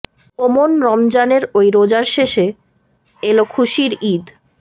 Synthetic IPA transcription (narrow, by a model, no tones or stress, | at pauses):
omonɾɔmd͡ʑaneɾojɾod͡ʑaɾʃeʃe | elokʰuʃiɾid̪